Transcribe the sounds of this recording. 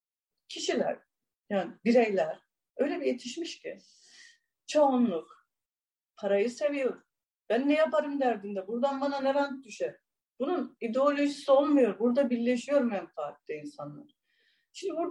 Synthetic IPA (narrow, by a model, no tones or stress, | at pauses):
cʰiʃilʲæ̰ɾ̥ | jaːnibiɾejlʲæɾ̥ | ø̞jlʲebije̞t̪ʰiʃmiʃci | t͡ʃʰaonlˠuk | pʰaɾajɯse̞vijo̞ɾu | b̥ænːɛjapaɾɯmd̪æɾd̪ind̪ɛbuɾd̪anbananeɾant̪̚d̪yʃɛ | b̥ununid̪eo̞lʲo̞ʒisio̞lˠmajo̞ɾbuɾd̪abiɾlʲe̞ʃijo̞ɾumɛnfaːk̚lˠɯinsanlˠa̰ɾ | ʃimnd̪ibuɾ